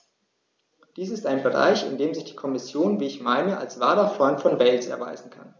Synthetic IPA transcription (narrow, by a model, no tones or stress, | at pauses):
d̥iːsɪstaɪnbəʁa̰ɪçɪ̰ndeːmzɪçd̥iːkʰɔmɪsjoːnviːɪçmaɪmeɐʔalsv̥aːlɐfʁ̥ɔʏntfɔnvɛlsɛ̰ɐva̰ɪzn̩kʰa̰n